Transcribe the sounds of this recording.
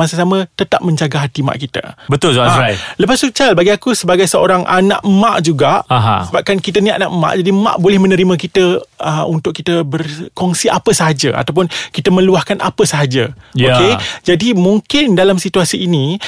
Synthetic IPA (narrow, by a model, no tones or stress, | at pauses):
as̬əsamə̃t̪ət̪ap̚mə̃ɲd͡ʒaɡaɦat̪ima̰ʔkit̪ə̰bət̪ʊlsoaajləpasut͡ʃalbaɡiakusəbaɡajsəo̰ɾaŋʔa̰nã̰ʔma̰ʔd͡ʒuɡaʔɦsəbap̚kankit̪ənia̰naʔma̰ʔd͡ʒadima̰ʔbolɛhmə̃nəɾimãk̬it̪əəunt̪ʊkit̪əbərkɔŋsiʔapəsaɦad͡ʒəʔa̰t̪awpʊnkit̪əmə̃luahkanʔa̰pəsaɦad͡ʒəjked͡ʒadimuŋkɪndalamsit̪uasiːni